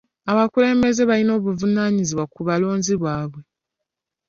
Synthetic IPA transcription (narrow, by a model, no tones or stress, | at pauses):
aβakule̞ːmbe̞ze̞βalino̞ːβuvunaɲiziβwakuβalo̞ːnziβwaːβwe̞